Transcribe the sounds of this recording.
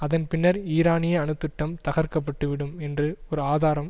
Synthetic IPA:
ɐðɐnpɪnːɐɾiːɾaːnɪjɐɐɳɯt̪ːɯʈːɐmt̪ɐɣɐɾkɐp̬ːɐʈːɯʋɪɽɯmɛndrɯɔɾɯaːðaːɾɐm

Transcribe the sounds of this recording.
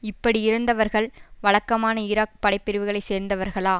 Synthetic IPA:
ɪpːɐɽiɪɾɐnd̪ɐʋɐɾɣɐɭʋɐɭɐkːɐmaːnɐɪɾaːk̚pɐɽɐɪpːɪɾɯʋɯɣɐɭɐɪseːɾnd̪ɐʋɐɾɣɐɭaː

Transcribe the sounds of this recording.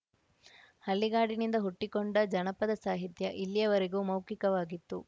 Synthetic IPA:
hɐlːiɡaːɽinind̪ɐɦuʈːikoɳɖɐd͡ʒɐnɐpɐd̪ɐsaːɦit̪jɐʔilːijɐʋɐɾeɡuːmɐwkikɐʋaːɡit̪ːu

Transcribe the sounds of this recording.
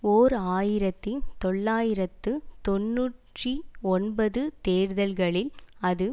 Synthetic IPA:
oːɾaːjɪɾɐt̪ːit̪ɔɭːaːjɪɾɐt̪ːɯt̪ɔnːuːʈriɔnbɐðɯt̪eːɾðɐlɣɐɭɪlɐðɯ

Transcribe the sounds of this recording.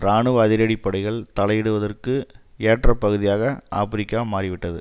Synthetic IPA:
ɾaːɳɯʋɐðɪɾɐɽɪpːɐɽɐɪɣɐɭt̪ɐɭɐjɪɽɯʋɐðɐrkɯeːʈrɐpːɐɣɯðɪjaːɣɐʔa̰ːpɪɾɪkːaːmaːrɪʋɪʈːɐðɯ̰

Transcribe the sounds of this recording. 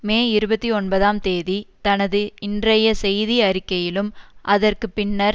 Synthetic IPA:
meːɪɾɯbɐt̪ːiɔnbɐðaːmt̪eːðit̪ɐnɐðɯɪndrɐjɐsɛjðiɐɾɪkːɐjɪlɯmʔɐðɐrkɯpɪnːɐɾ

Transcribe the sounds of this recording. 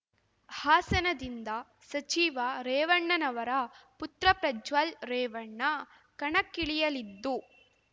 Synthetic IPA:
haːsɐnɐd̪ind̪ɐ | sɐt͡ʃiːʋɐɾeːʋɐɳːɐnɐʋɐɾɐput̪ɾɐpɾɐd͡ʒʋalɾeːʋɐɳːɐ | kɐɳɐkːiɭijɐlid̪ːu

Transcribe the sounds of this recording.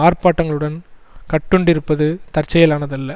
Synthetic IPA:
aːrpaːʈːɐŋɡɐɭɯɽɐnkɐʈːɔɳɖɪɾɯpːɐðɯt̪ɐrt͡ʃːɐjɐlaːnɐðɐlːɐ

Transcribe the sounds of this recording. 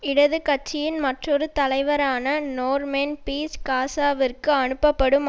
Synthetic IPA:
ɪɽɐðɯkɐt͡ʃːɪjɪnmɐʈrɔɾɯt̪ɐlɐɪʋɐɾaːnɐnoːrmeːnpiːskaːsaːʋɪrkɯɐɳɯpːɐpːɐɽɯm

